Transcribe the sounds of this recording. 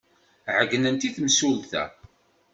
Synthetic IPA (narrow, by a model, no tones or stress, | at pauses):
ʕəɡːnənt̪iθmsulθæ̰